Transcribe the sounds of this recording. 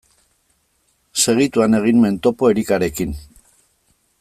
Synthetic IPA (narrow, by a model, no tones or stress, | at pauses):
se̞ɣ̞it̪uane̞ɣ̞inme̞nt̪o̞po̞eɾikaɾe̞kin